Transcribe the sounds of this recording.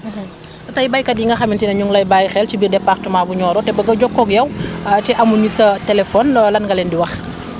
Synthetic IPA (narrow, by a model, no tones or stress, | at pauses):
ɐtɐjbɐjkɐdjiŋɡɐxɐmintinɐɲuŋlɐjbajxɛlt͡ʃibirdɛpːaxtumaːbuɲɔːɾɔtɛbɐɡɐɟɔkːɔɡjɐwtɛʔɐmuɲisɐtɛlɛfɔnlɐnŋɡɐlɛndiwɐx